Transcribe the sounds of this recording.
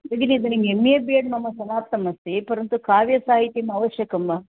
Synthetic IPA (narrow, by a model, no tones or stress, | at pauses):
ɐɡiniɐd̪ɐniŋɡeemːijɐbijɐɖnɐmːɐsɐnaːt̪ːɐmɐst̪ipɐɾɐnt̪ukaːʋjɐsaːɦit̪jɐmɐɐʋɐʃjɐkɐmbaː